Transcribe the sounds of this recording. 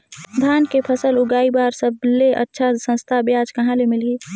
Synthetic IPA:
d̪ʱaːnkepʰəsəlʊɡaːibaːɾsəbleʔə̰tːʃʰasə̃nst̪ʰabjaːd͡ʒkɐɦãlemɪliː

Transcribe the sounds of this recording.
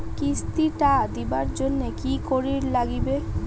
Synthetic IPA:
kist̪iʈad̪ibaɾd͡ʑonːekikoɾiɾlaɡibe

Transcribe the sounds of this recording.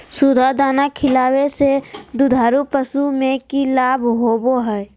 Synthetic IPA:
sʊd̪ʱad̪aːnakʰɪlaːwesed̪ud̪ʱaːɾupəsumẽkilaːbʱɦoːboɦɛ

